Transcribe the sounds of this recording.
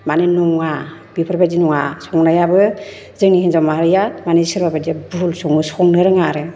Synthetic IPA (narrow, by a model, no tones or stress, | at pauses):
manenɔŋa | bipʰɯɾbajdinɔŋasɔŋnajabɯ | zɯŋnihinzawmaɾɯjamanesɯɾbabajdabulsɔŋɯsɔŋnɯɾɯŋaɾɯ